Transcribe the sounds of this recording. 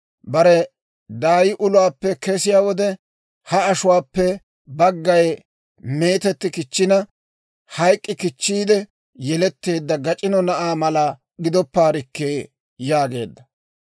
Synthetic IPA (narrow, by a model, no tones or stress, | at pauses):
bɐɾɛ | d̪aːjɪʔʊlʊwaːpːɛkɛsɪjaːwɔd̪ɛ | hɐːʃʊwaːpːɛ | bɐɡːɐj | me̞ːt̪ɛt̪ːɪkɪt͡ʃːɪnɐ | hɐjkʼːɪkɪt͡ʃːiːd̪ɛ | jɛlɛt̪ːe̞ːd̪ːɐɡɐt͡ʃʼɪnɔnɐʔaːmɐla | ɡɪd̪ɔpːaːɾɪkːeː | jaːɡe̞ːd̪ːɐ